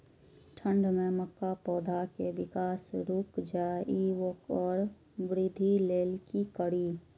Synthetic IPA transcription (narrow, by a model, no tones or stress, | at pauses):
ʈʰəɳɖmẽməkːapɔːd̪ʱakebɪkaːsɾuːkd͡ʒaːiwəkɔːɾ | bɾɪd̪ʱileːlkikəɽiː